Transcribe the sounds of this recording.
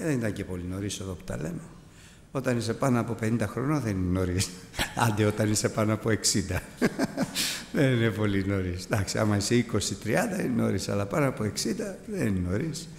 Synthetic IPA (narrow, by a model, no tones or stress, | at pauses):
ðenit̪ɐɲce̞po̞lino̞ɾiseðo̞pu̥t̪ɐ̰le̞no̞ | o̞t̪ɐnise̞pɐnoɐpo̞pe̞nind̪ɐxɾo̞noðenineno̞ɾis | ɐ̰nd̪io̞t̪ɐnise̞pɐnoɐpo̞eksind̪ɐ | ðenine̞po̞lino̞ɾisd̪ɐksiɐ̰mɐiseiko̞sit̪ɾiɐnd̪ɐineno̞̰ɾisɐ̰lɐpɐnoɐpoe̞ksind̪ɐðenineno̞ɾis